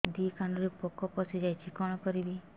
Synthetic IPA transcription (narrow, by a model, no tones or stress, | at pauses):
d̪ikanɔɾepɔkɔpɔsid͡ʒajt͡ʃʰikɔɽ̃ɔkɔɾibi